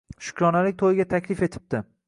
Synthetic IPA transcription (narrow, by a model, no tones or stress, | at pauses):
ʃʊ̥kʲɾɒnalɪk̚ʲt̪ʰojɪɡʲat̪ʰakʲlɪfe̞t̪ʰɪ̥p̚t̪ɪ